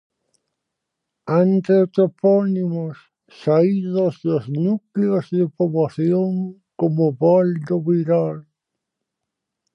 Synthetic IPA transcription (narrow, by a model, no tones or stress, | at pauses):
ant̪eot̪ɾoponimosː | aiðozðoznukleozðepoβlaθjoŋ | komoβold̪oβiɾal